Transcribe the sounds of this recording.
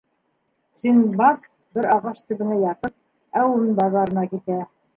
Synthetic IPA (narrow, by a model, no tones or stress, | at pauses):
sinbɑk | bɘɾɑʁɑʃt̪ɵ̆βɘ̆næjɑt̪ɤp̚ | æwunbɑðɑɾɤ̆nɑkit̪æ